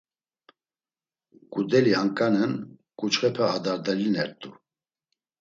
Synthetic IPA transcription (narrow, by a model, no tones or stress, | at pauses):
kʼud̪ɛliaŋkʼanənkʼut͡ʃχɛpʰɛad̪aɾd̪ɛlinɛɾt̪ʼu